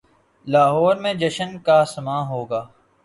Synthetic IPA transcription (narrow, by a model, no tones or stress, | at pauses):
laːɦɔːɾmẽd͡ʒɐʃənkasɐmaːɦoːɡaː